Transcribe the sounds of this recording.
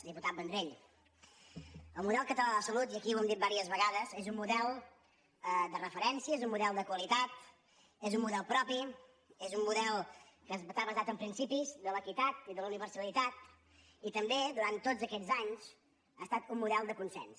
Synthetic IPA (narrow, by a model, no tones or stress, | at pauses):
d̪iput̪at̪̚bənd̪ɾeʎ | əlˠmuðɛlˠkət̪əlaðəsəlut̪iəkiwɛmd̪it̪baɾiəzβəɣaðəzezumːuðɛlˠ | əd̪ərəfəɾɛnsiəezumːuðɛlˠd̪əkwəlit̪at̪̚ | ezummuðɛlˠpɾɔpi | ezumːuðɛlˠkəzt̪aβəzat̪əmpɾinsipizðələkit̪at̪̚iðəluniβərsəlit̪at̪ | it̪əmbed̪uɾant̪ːod͡zəkɛd͡zaɲz | a̰st̪at̪umːuðɛlˠd̪əkunsɛ̰ns